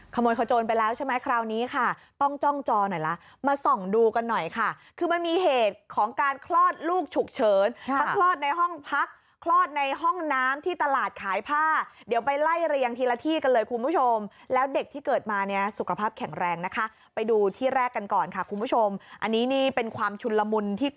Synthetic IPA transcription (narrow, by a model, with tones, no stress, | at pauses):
kʰa˧moː˧jkʰa˧˩wt͡ɕoː˧npa˧jlɛː˦˥wt͡ɕʰa˥˩ma˦˥jkʰɾaː˧wniː˦˥kʰa˥˩t̪ɔ˥˩ŋt͡ɕɔ˥˩ŋt͡ɕɔː˧nɔ˨˩jla˦˥ | maː˧so˨˩ŋduː˧ka˧nːɔ˨˩jkʰa˥˩ | kʰɯː˧ma˧nmiː˧ɦeː˨˩t̪̚kʰɔː˩˦ŋkaː˧nkʰlɔː˥˩t̪̚luː˥˩k̚t͡ɕʰu˨˩k̚t͡ɕʰɤː˨˩˦nʰa˦˥kʰlɔː˥˩t̪̚na˧jɦɔ˥˩ŋpʰa˦˥k̚ʰːlɔː˥˩t̪̚na˧jɦɔ˥˩ŋnaː˦˥mt̪ʰiː˥˩t̪a˧laː˨˩t̪̚kʰaː˨˩˦jpʰaː˥˩di˨˩˦wpa˧jla˥˩jɾa˧jja˧ŋt̪ʰiː˧la˧t̪ʰiː˥˩ka˧nlɤː˧jkʰu˧nbʰuː˦˥t͡ɕʰo˧mlɛː˦˥wde˨˩k̚t̪ʰiː˥˩kɤː˨˩t̪̚maː˧ni˥˩ɐsu˨˩kʰa˧pʰaː˥˩p̚kʰɛ˨˩˦ŋɾɛː˧ŋna˦˥kʰa˦˥ | pa˧jduː˧t̪ʰiː˥˩ɾɛː˥˩kːa˧nkɔː˨˩nkʰa˥˩kʰu˧nbʰu˦˥˩t͡ɕʰo˧mʔa˧nːiː˦˥niː˥˩pe˧nkʰwaː˧mt͡ɕʰu˧la˧mu˧nt̪ʰiː˥˩